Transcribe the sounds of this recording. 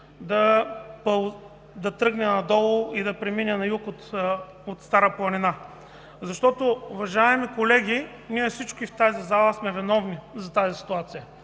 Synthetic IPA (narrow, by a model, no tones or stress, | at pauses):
d̪ɐpə | d̪ɐt̪ɾɤɡnɛnɐd̪ɔlˠʊid̪ɐpɾɛminʲɛnɐjukot̪ | ot̪st̪aɾəplˠɐnina | zɐʃt̪ɔt̪oʊvɐʒaɛmikolɛɡʲi | niɛfsit͡ʃkʊift̪azizalˠəsmɛvinɔvnizɐt̪azisi̥t̪uat̪sijə